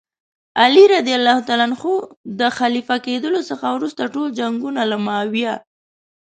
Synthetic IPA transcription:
aliɾad̪ijalːɑhut̪ɑlanxod̪əxalifaked̪əlosəxawɾust̪aʈold͡ʒaŋɡunalamawja

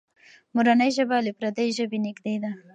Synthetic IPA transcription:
muɾanəjʒəbalepɾad̪ajʒəbenɪɡd̪ed̪a

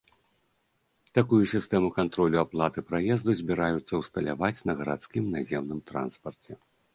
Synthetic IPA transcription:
t̪akujusʲist̪ɛmukant̪ɾɔlʲuaplˠat̪ɨpɾajɛzd̪uzʲbʲiɾajut̪sːɐwst̪ɐlʲavat͡sʲnɐɣɐɾat̪skʲimnazʲɛmnɨmt̪ɾa̰nspɐrt͡sʲɛ

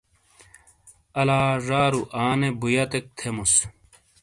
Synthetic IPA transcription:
ɐlaːʐaːɾuʔaːnebujɐt̪ek̚t̪ʰemus

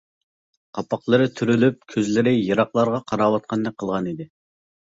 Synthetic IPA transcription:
qʰɑpɑqlˠɨɾɪt̪ʰyɾylyp̚kʲʰøzlɪɾɪjɑɾɑqlˠɑɾʁɑqʰɑɾɑːwɑt̪̚qʰɑnd̪ɛk̚ʲqʰːəlˠʁɑnid̪ɪ

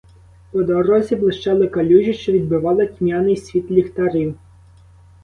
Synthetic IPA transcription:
pɔd̪ɔɾɔzʲiblˠɪʃt͡ʃɑlˠɪkɐlʲuʒʲiʃt͡ʃɔʋʲid̪̚bɪʋɑlˠɪkʲmʲjanɪjsʲʋʲit̪lʲixt̪ɐɾiw

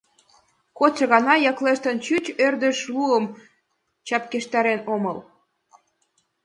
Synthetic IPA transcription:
kot͡sɤ̆ɣɑnɑjɑkleʃt̪ə̆nt͡ɕyt͡ɕørd̪ə̆ʃluəm | t͡ɕɑp̚keʃt̪ɑɾenomɤl

